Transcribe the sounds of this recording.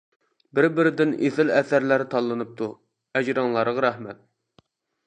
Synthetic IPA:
bɪɾbɪɾɪd̪ɪnḛθɪlɛθæɾlæɾt̪ʰɑlˠːɨnɨp̚t̪ʰu | æd͡ʒɾɑŋlˠɑɾʁɑɾɛhmɛt̪̚

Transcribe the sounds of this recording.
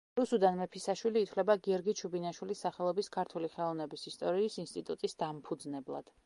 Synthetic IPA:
ɾusud̪anmɛpʰisaʃwiliːt̪ʰvlɛbaɡiɔɾɡit͡ʃʰubinaʃwilisːaχɛlˠɔbiskʰaɾt̪ʰuliχɛlˠɔvnɛbisist̪ʼɔɾiːsinst̪ʼit̪ʼut̪ʼisd̪ampʰud̪znɛblˠa̰d̪̥

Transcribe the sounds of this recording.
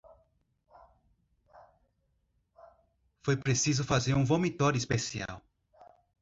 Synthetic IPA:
fojpɾesizʊfazeɾũvomit̪ɔɾjʊispesia̰w

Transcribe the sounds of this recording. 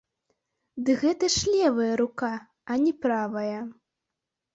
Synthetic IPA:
d̪ɨɣɛt̪ɐʂlʲɛvɐjɐɾuka | ɐnʲɛpɾavɐjɐ

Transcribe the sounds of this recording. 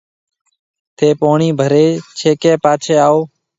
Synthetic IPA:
t̪ʰeːpoːɳiːbʱəɾeːt͡ʃʰeːkeːpaːt͡ʃʰeːaːoː

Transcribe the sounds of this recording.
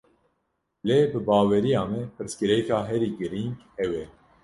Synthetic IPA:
leːbɨbɑːwɛɾijaːmɛpʰɨɾskɨɾɛkaːɦɛɾiːɡɨɾiŋɡhɛwɛ

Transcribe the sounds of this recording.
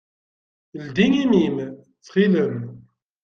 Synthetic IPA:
əld̪iŋimim | θχiləm

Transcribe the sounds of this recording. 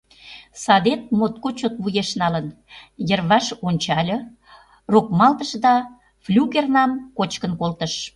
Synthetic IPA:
sɑd̪et̪̚mot̪̚kot͡ɕot̪̚βujeʃnɑlən | jərβɑʃonʲt͡ɕɑlʲə̆ | rokmɑlt̪əʃd̪ɑ | flʲuɣernɑmkot͡ɕkənkolt̪əʃ

